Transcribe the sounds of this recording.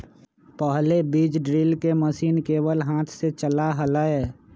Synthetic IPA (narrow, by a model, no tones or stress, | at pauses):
pəɦlebiːd͡ʒɖɾiːlkeməsiːnkeːwəlɦaːt̪ʰset͡ʃəlaɦəlaɛː